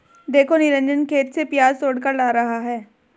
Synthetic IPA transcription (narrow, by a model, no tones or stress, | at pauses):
d̪eːkʰonɪɾə̃nd͡ʒənkʰeːt̪sepjaːzsoːɽkəɾlaːɾɐɦaɦɛː